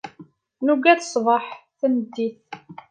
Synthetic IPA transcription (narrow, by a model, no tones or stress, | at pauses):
nuɡæθə̥sˤvəħθənəd̪ːiθ